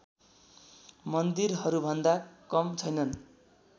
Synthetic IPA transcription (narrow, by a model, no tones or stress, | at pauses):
mʌnd̪irɦʌɾubʱʌnd̪akʌmt͡sʰʌjnʌn